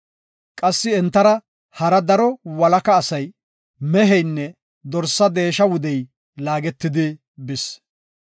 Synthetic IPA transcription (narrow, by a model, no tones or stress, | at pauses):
kʼɐsːɪɛnt̪ːɐɾɐ | hɐɾɐd̪ɐɾɔwɐlɐkɐːsɐj | mɛɦɛjnːɛ | d̪ɔɾsːɐd̪e̞ːʃɐwʊd̪ɛj | laːɡɛt̪ːɪd̪ɪ | bɪs